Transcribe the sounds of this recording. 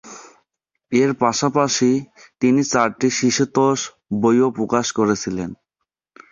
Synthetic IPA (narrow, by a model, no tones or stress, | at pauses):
eɾpaʃapaʃit̪init͡ɕaɾʈiʃiʃut̪oʃ | bojopɾokaʃkoɾet͡ɕʰilen